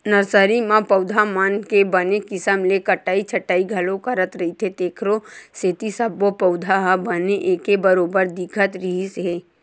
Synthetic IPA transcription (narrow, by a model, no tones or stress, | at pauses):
nəɾsəɾimãpəʊd̪ʱamankebənekɪsəmlekəʈːaːit͡ʃʰəʈːaːiɡʱɐlokəɾət̪ɾɐɦit̪ʰet̪eːkʰɾoseːt̪isəbːopəʊd̪ʱaɦabəneʔeːkebəɾoːbəɾd̪ɪkʰət̪ɾiɦisɦeː